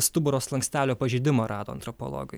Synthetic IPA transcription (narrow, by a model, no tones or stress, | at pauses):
st̪ʊbʊɾoːslˠɐŋksʲt̪ʲæːlʲoːpɐʒʲɪd̪ʲɪmɐːɾɑːd̪oːɐ̰nt̪ɾɔpo̰lˠo̰ːɡɐ